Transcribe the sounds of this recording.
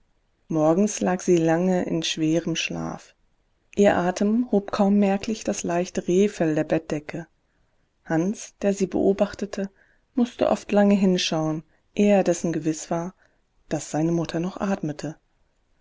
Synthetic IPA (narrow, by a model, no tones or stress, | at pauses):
mɔɐɡŋ̩slaːkz̥iːlaŋəʔɪ̰nʃv̥eːʁəmʃla̰ːf | ʔiːɐʔaːtʰəmhoːp̚kʰaʊmːɛɐklɪçd̥aslaɪçtəʁeːfɛldeːɐbɛt̚d̥ɛkʰə | hansd̥eːɐziːbə̰ʔoːbaχtətʰə | mʊstə̰ʔɔ̰ftlaŋəɦɪnʃaʊən | ʔeːɐdɛsn̩ɡəvɪsv̥aːɐ | d̥asz̥aɪnəmʊtʰɐnɔχʔaːtmətʰə